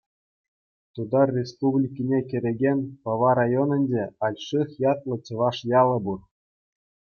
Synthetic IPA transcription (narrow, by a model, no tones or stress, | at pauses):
t̪ud̪ɑrrʲespublʲikʲinʲekʲɘ̆ɾʲeɡʲenʲpɑʋɑɾɑjonʲɤ̆nʲdeɑlʲʂɯχjɑt̪lˠɤ̆t͡ɕɤ̆ʋɑʂjɑlˠɤ̆bur